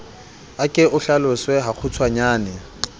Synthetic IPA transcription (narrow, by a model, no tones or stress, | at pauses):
akʼɪʊɬalʊswɛɦak͡xʰʊt͡sʰwaɲaːnɛ